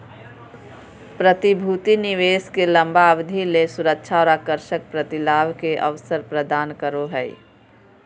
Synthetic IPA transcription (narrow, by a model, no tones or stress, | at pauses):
pɾət̪ibʱut̪iniʋeːskelə̃mbaəbd̪ʱilesʊɾək̚t͡ʃʰaɔːɾaːkəɾʃək̚pɾət̪ɪlaːʋkeʔə̰ʋsəɾpɾəd̪aːnkəɾoɦɛḭ